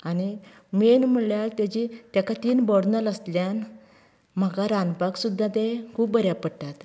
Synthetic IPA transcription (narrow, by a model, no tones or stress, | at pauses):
ani | menm̤uljaɾt̪ad͡ʑit̪jakat̪iːnbɔɽnələsljan | m̤akaɾãnpaksud̪ʱːat̪ẽkʰuːp̚bəɾjapəɽʈat̪